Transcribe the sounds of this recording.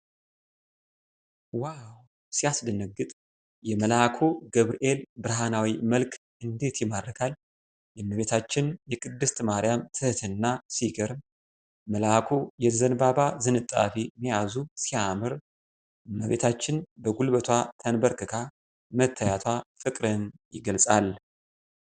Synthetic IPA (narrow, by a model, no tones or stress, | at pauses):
waw | sijasd̪ɨnəɡːɨt̪ʼ | jɛməlakʰo̞ɡəβɾiʔe̞lbɨɾɦanawiməlkʰʼ | ɨnd̪e̞t̪jɪmad̪əkʰal | jɛmːəβe̞t̪ʰat͡ʃːɪnjɛkʼɨd̪ːɨst̪maɾijamt̪ʰɨht̪ʰɨnːasiɡəɾm | məlakʰo̞jɛzənbaβazɨnɨt̪ʼːa̰fimijazusiamɨɾ | mːəβḛt̪ʰat͡ʃːɪnbəɡulbət̪ʰwat̪ʰənbəɾkɨkʰa | mət̪ʰːajat̪ʰwafɨkʼɾənjɪ̰ɡəlsʼal